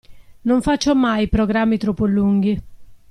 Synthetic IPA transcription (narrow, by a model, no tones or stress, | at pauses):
noɱfat͡ʃːomajpɾoɡɾamːit̪ɾɔpːoluŋɡi